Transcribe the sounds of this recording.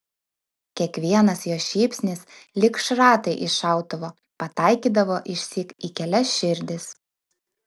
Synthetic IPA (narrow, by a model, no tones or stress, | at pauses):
kʲiɛkʋʲiɛnɐsjoːʃʲiːpʲsʲnʲɪslʲɪkʃɾɑːt̪ɐɪʔɪʃɑˑʊt̪oʋoː | pɐt̪ɑˑɪkʲiːd̪ɐʋoːʔɪʃʲsʲiːkikʲɛlʲɛsʃʲɪɾʲd̪ʲɪs